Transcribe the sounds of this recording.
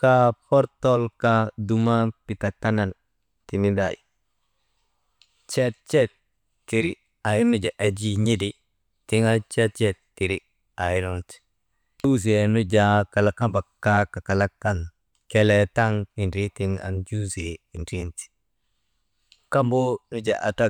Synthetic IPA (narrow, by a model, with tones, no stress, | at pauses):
ka˦pɔ˦ɾto˦lka˦du˨ma˦pi˨ta˨ta˦na˨n | ti˨ni˦da̰˨jḭ˨ | t͡ʃe˦t̚t͡ʃe˦t̚ | tːi˨ɾi˨ | a˨ji˨nu˦d͡ʒa˨ʔa˨d͡ʒi˦ɲi˦di˨ | ti˦ŋa˦t͡ʃe˦t̚t͡ʃɛ˦ttːi˨ɾi˦ | a˨ji˨ɾonti̥ | tu˦ze˨nu˦d͡ʒa˦ka˨la˨ka˦mba˨kːa˦ka˨ka˨la˦kːa˦n | ke˦le˨ta˦ŋi˨nɾi˦ti˦ŋa̰˨nd͡ʒu˦ze˨i˨nti˦nti̥ | ka˦mbo˦nu˦d͡ʒa˨ʔa˨ta˦